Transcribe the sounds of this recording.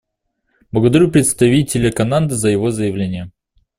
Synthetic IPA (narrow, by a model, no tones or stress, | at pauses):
b̥lˠəɡəd̪ɐɾʲupɾʲɪt̪st̪ɐvʲitʲɪlʲəkɐnand̪ɨzəjɪvo̞zəjɪvlʲenʲɪjə